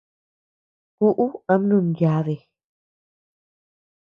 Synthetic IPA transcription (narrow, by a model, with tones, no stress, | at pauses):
ku˦ʔu˦ã˦m˦nũ˦˧˨nja˧˦ðe˨